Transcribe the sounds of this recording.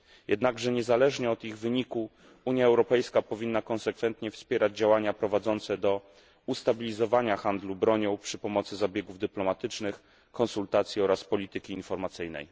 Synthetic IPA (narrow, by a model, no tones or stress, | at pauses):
jʔɛd̪naɡʐɛɲɛzalɛʐɲɛɔd̪iɣvɘɲiku | uɲjaɛwɾɔpɛjskapɔvʲinːakɔnsɛkfɛnt̪ɲɛfspʲjɛɾad͡ʑd͡ʑawaɲapɾɔvad̪zɔnt̪sɛd̪ɔ | ust̪abʲilʲizɔvaɲaxand̪lubɾɔɲɔ̃wpʂɘpɔmɔt̪sɘzabʲjɛɡuvd̪ɘplɔmat̪ɘt͡ʂnɘx | kɔnsult̪at̪sʲjiɔɾaspɔlʲit̪ɘkʲiːnfɔɾmat̪sɘjnɛ̰j